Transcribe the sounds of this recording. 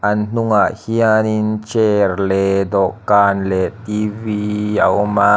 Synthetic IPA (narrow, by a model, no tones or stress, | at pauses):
ʔɐnn̥uŋaʔhianint͡ʃeɾlɛd̪ɔʔkaːnlɛt̪iviawma